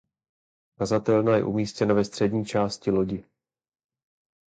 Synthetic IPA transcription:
kazat̪ɛlnajɛ̰ʔumiːscɛnavɛst̪r̥ɛdɲiːt͡ʃaːscɪloɟɪ

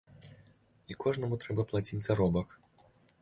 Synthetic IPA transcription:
ikɔʐnɐmut̪ɾɛbɐplˠat͡sʲit͡sʲzaɾɔbɐk

